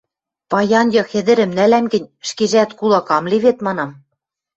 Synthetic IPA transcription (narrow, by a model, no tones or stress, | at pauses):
pɑjɑnjɤ̆xɘ̆d̪ɘ̆ɾɘ̆mnælæmɡɘ̆nʲʃkeʒæt̪kulˠɑkɑmleβet̪mɑnɑm